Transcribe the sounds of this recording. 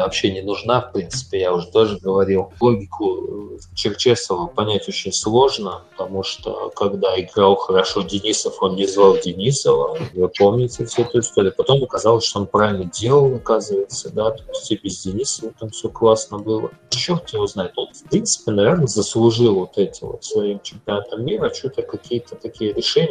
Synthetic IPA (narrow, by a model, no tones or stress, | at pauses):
vɐpɕenʲɪnʊʐnafpɾʲint̪sɨ̥pʲɪjaʊʐɛt̪oʐɨɡəvɐɾʲilˠlˠo̞ɡʲɪkʰʊt͡ɕɪrt͡ɕe̞səvəpɐnʲætʲo̞t͡ɕɪnʲslˠo̞ʐnəpət̪ɐmuʂt̪o̰kɐɡd̪aɪɡɾalˠxəɾɐʂodʲɪnʲisəfo̞nnʲɪzvalˠdʲɪnʲisəvə̰vɨpo̞lˠmnʲɪtʲɪfsʲeɛt̪əʊɪst̪oɾʲɪəpɐt̪o̞məkɐzɑlˠəsʲʂt̪oonpɾavʲɪlʲnədʲe̞lˠəlˠɐkazɨvəjɪt̪səd̪at̪osʲtʲibʲɪzʲdʲɪnʲisəvət̪amfsʲoklˠasnəbɨlˠə̰t͡ɕːort̪ɪvoznajɪt̪o̞nfpɾʲint̪sɨ̥pʲɪnɐvʲe̞rnəzəslˠʊʐɨlˠvo̞t̪ɛtʲɪvo̰t̪svɐimt͡ɕɪmʲpʲɪɐnat̪əmːʲiɾət͡ɕut̪əkɐkʲijət̪ət̪ɐkʲijəɾʲɪʂɛnʲɪ